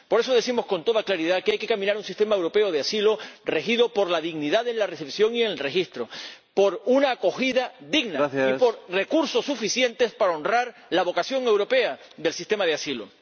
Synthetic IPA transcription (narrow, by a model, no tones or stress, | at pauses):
po̞ɾe̞so̞ðe̞simo̞sko̞nt̪o̞ð̞aklaɾiðakeajkekamĩnaɾunsist̪e̞maewɾo̞pe̞o̞ðeasilo̞re̞xiðo̞po̞ɾlaðiɣniðaðe̞nlare̞sepsjo̞ŋienlre̞xist̪ɾo̞po̞ɾunaːko̞xiðaðiɡnaipo̞ɾre̞kuɾso̞sːufisje̞nt̪e̞spaɾao̞nraɾlaβo̞kasjo̞ŋe̞wɾo̞pe̞a | ðe̞lsist̪e̞maðeasilo̰